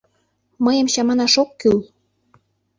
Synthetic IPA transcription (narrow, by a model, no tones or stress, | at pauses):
məjə̆mɕɑmɑnɑʃokːyl